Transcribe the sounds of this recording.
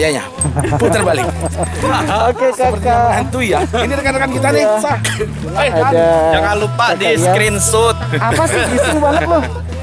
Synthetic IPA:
jaɲa̰ | put̪ərbali | okekaəaɦant̪ujainiɾəkanakankit̪anɪsah | adajakanlupadiskɾinsʊt̪̚apasɪitɾubalət̚loh

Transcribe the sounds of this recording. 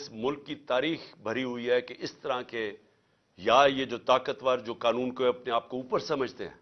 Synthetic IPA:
ɪsmʊlkːit̪aːɾiːxbʱɐɾiɦʊiɦɛkeʔɪst̪ɐɾãke | jajed͡ʒoːt̪aːkət̪ʋaːɾd͡ʒoːkaːnũːnkoɐpneaːp̚kouːpəɾsɐməd͡ʒʱt̪ḛɦɛ̰̃ː

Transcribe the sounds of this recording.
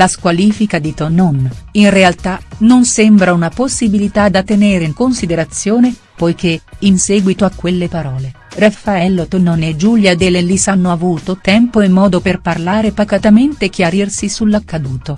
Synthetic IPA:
laskwaliːfikad̪it̪onːɔninrealt̪anonsembɾaunaposːibilit̪ad̪at̪ːeneːɾeiŋkonsid̪eɾat̪sːjoːne | pojk̟einsɛːɡwit̪oakːwelːepaɾɔːle | rafːaɛlːot̪onːɔned͡ʒuljad̪elelisanːoavuːt̪ot̪ɛmpoemːɔːd̪operparlaːɾepakat̪ament̪ek̟jaɾirsisulːakːad̪uːt̪o

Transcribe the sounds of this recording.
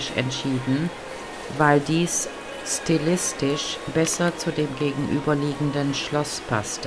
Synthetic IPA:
ɪʃɛ̰ntʃiːdn̩ | vaɪldiːs | stilɪstɪʃb̥ɛsɐt͡sudeːmɡeːɡŋ̩ʔyːbɐliːɡŋ̩dənʃlɔspʰa̰stə

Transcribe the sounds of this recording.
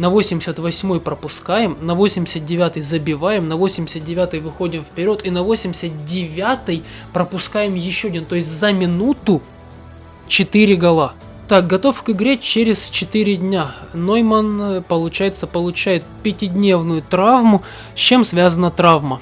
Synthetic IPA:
nɐvosʲɪmʲɪsʲət̪vɐsʲmo̞jpɾəpʊskajɪmnɐvo̞sʲɪmʲɪsʲət̪̚dʲɪvʲat̪ɨjzəbʲɪvajɪmnɐvo̞sʲɪmʲɪsʲət̪̚dʲɪvʲat̪ɨjvɨxo̞dʲɪmfpʲɪɾʲo̞t̪ɪnɐvosʲɪmʲɪsʲət̪̚dʲɪvʲat̪ɨj | pɾəpʊskajɪmjɪɕːoɐdʲent̪o̞jɪsʲtʲzəmʲɪnut̪ʊ | t͡ɕɪt̪ɨɾʲɪɡɐlˠa | t̪ak̚ɡɐt̪o̞fkɨɡɾʲet͡ɕeɾʲɪst͡ɕɪt̪ɨɾʲɪdʲnʲanojmənpəlˠʊt͡ɕæjɪt̪səpəlˠʊt͡ɕæjɪt̪̚pʲɪtʲɪdʲnʲe̞vnʊjʊt̪ɾavmʊ | sʲt͡ɕːe̞msvʲazənət̪ɾavmə

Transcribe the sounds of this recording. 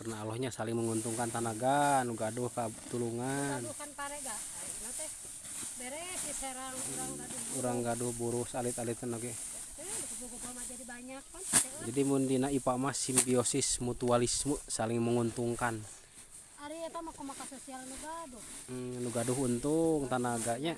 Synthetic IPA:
kərnaːlɔhɲasaliŋməŋunt̪uŋkant̪anaɡanuɡaduhkat̪uluŋanukanpaɾɛɡa | ainat̪ɛh | bɛɾɛsisɛɾaŋɾaŋaduuɾaŋɡaduhbuɾusalit̪alit̪nɔɡɛ | lkubukukɔmad͡ʒadibaɲak̚mand͡ʒadimundinaipamasimbiosismut̪ualismusaliŋməŋunt̪uŋkan | aɾiɛt̪amakɔmakasosialnuɡaduhluɡaduɦunt̪uŋt̪anaɡaɲa

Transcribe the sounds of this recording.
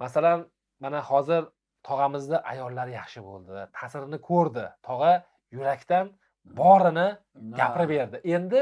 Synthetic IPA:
mʔasalan | manahɒzɪɾ | t̪ʰɒʁɑmɪzd̪aʔajɒlˠːaɾjɑχʃɪbo̰lˠd̪ɪt̪ʰasɾɪnɪkʰɵɾd̪ɪt̪ʰɒʁɑ | jʊɾakʲt̪an | bɒɾɪnɪ | ɡʲapʰɾɪbe̞ɾd̪ɪʔe̞nd̪ɪ

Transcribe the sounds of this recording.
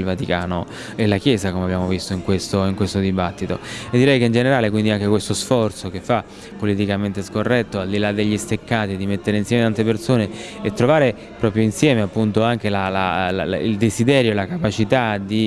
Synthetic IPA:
lvat̪ikaːno | elakjɛːzakomeabːjaːmovist̪oiŋkwest̪oiŋkwest̪od̪ibat̪ːit̪o̰ed̪ːiɾɛjkeind͡ʒeneɾaːlekwind̪iaŋk̟ekwest̪osfɔrt̪sokefːa | pːolit̪̬ikament̪eskorːɛt̪ːoald̪ilad̪ːeʎːist̪ekːaːt̪id̪imet̪ːeɾeinsjɛmet̪ant̪epersoːneet̪ːɾovaːɾe | pɾɔːpɾjoinsjɛːmeapːunt̪oaŋk̟elala̰l̰ḭld̪ezid̪ɛːɾjoelakapat͡ʃit̪ad̪i

